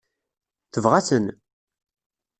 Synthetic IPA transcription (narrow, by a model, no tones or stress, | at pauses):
θəvʁasən